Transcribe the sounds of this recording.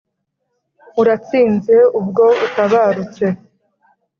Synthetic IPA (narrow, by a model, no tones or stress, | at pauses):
uɾat͡siːnze̞ub̚ɡo̞utaβaːɾut͡se̞